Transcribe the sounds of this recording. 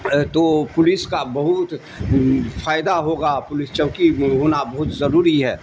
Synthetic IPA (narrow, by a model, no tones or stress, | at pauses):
t̪oːpʊlɪskabɐɦʊt̪ | fʰaːɪd̪aɦoːɡapʊlɪst͡ʃɐʋkiɦoːnabɐɦʊt̪zɐɾuːɾiɦɛː